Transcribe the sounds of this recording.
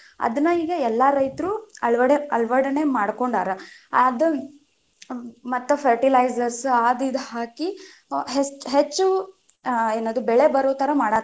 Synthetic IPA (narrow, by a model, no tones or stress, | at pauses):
ɐ̰d̪ɐnːɐiːɡɐɛlːɐɾɐjt̪ɾuɐɭʋɐɽeɐlʋɐɽɐnemaːɽko̞ɳɖaːɾɐd̪u | mɐt̪ːupʰɐɾʈilɐjzɐɾsaːd̪id̪haːki | ɦet͡ʃːɦet͡ʃːu | eːnoːd̪ubɛɭe̞bɐɾoːt̪ɐɾɐmaːɽa